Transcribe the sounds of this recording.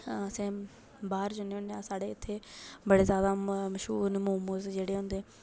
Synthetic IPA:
əsẽː | baːɾd͡ʒʊneːɦʊ̃nd̪eːaːsaːɽeːɪt̪ʰːeːbəɽeːzjaːd̪aːməʃɦuːnmuːmusd͡ʒeːɽeːɦʊ̃nd̪eː

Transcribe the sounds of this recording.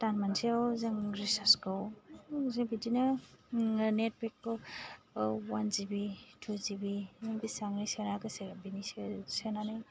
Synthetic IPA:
tanmansiawzeŋɾisaskɯwzeŋbidina | net̚bekːɔ | wanzibitʰuzibinibisaŋnisenakɯseɾabinisesenanɯj

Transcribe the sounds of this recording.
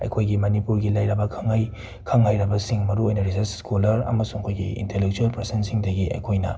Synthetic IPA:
ɐ̰jkʰojɡimɐnipuɾɡilajɾɐbɐkʰɐŋːaj | kʰɐŋhajɾɐbɐsiŋmɐɾuojnɐɾizɐskolɐɾɐ̰mɐsuŋɐkʰojɡḭḭntelek̚t͡ʃuɐlpɾesensiŋdɐɡiʔɐ̰jkʰojnɐ̰

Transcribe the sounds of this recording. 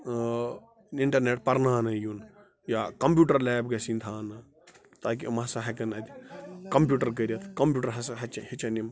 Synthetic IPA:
iɳʈɐɾneːʈpɐɾnaːnɐjun | jaːkɐmp̬ʲjuːʈɐɾlɛːb̚ɡɐsint̪ʰaːnɐ | t̪aːk̬imɐsɐɦɐkɐnɐd̪ʲi̥kɐmpjuːʈɐɾk̬ɐɾʲɐt̪ʰkɐmpʲjuːʈɐɾɦɐsɐɦɐt͡ʃɐhit͡ʃɐnim

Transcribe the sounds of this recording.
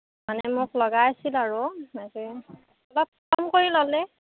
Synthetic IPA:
manɛmʊklɔɡaasilaɹʊnazi | ɔlɔp̚ | ɔmkoɹilɔlɛ

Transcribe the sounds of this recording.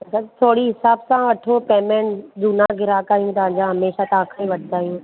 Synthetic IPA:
ɐsʰat̪ʰoːɽiɦɪsaːbsãʋɐʈʰopeːmẽːɳʈd͡ʒunãɡʱɪɾaːkaːɦijũt̪ɐʋ̤ɦãːɲd͡ʑãɦɐmeːʃat̪ɐãkʰaĩʋɐʈʰɪd̪aːɦijũː

